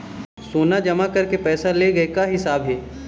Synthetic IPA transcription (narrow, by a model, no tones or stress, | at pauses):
soːnad͡ʒɐmakɐɾkepɛːsaleɡɐekaɦɪsaːbɦɛː